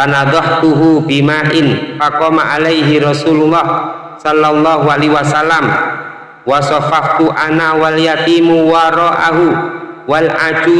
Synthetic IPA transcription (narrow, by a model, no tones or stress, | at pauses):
anad̪ɔht̪uɦubimaʔɪnfakɔmaʔalajɦiɾɑsululːɑh | sɔlːalːɑɦualiwasalːam | wasɑfaft̪uʔanawaljat̪iːmuwaɾɔʔa̰ɦu | walʔad͡ʒu